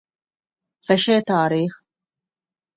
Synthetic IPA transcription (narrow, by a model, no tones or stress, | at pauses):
fɛʃeːt̪aːɾiːx